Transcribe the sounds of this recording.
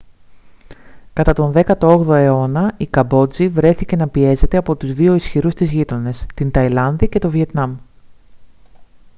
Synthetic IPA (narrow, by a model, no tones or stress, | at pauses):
kɐt̪ɐt̪o̞nðe̞kɐt̪o̞o̞ɣðo̞e̞o̞nɐikɐbo̞d͡zivɾe̞θice̞nɐpie̞ze̞t̪e̞ɐpo̞t̪uzðio̞isçiɾust̪izʝit̪o̞ne̞st̪int̪ɐilɐnðice̞t̪o̞vie̞t̪nɐm